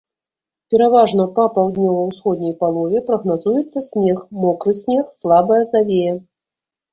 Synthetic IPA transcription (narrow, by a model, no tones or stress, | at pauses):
pʲɛɾavaʐnɐpɐpawˠd̪nʲɔvɐwsxɔd̪̚ʲnʲɐjpalˠɔvʲɛpɾɐɣnazujɛt̪sːɐsʲnʲɛxmɔkɾɨsʲnʲexslˠabɐjɐzavʲejɛ